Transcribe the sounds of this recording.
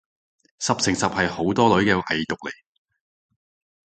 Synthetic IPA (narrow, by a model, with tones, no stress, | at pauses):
sɐ˨p̚sɪ˨˩ŋsɐ˨p̚hɐ˨jho˨˥wt̪ɔː˥lɵ˨˥ɥkɛː˧ʔɐ˨jjʊ˨k̚le˨˩j